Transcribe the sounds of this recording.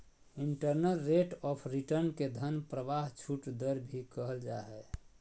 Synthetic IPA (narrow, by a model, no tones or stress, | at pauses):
iɳʈəɾnəlːeʈɔpʰɾiʈəɾnked̪ʱənpɾəʋaɦt͡ʃʰuʈd̪əɾbʱikəɦəld͡ʒaɦɛ